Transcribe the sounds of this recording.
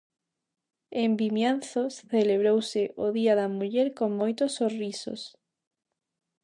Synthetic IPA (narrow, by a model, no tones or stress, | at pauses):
embimjanθosθeleβ̞ɾowseʔoðiaðɐmuʎeɾkoŋmojt̪osːoriso̰s